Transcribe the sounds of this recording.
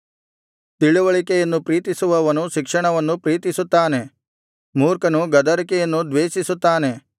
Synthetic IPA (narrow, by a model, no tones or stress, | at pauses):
t̪iɭuʋɐɭikɛjɐnːupɾiːt̪isuʋɐʋɐnuʃikʂɐɳɐʋɐnːupɾiːt̪isut̪ːaːne̞ | muːɾkɐnuɡɐd̪ɐɾikɛjɐnːud̪ʋeːʃisut̪ːaːne̞